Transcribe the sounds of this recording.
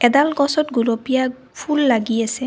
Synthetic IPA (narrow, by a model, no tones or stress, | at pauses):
ɛd̪alɡɔsɔtɡulopija | fʰulːaɡijasɛ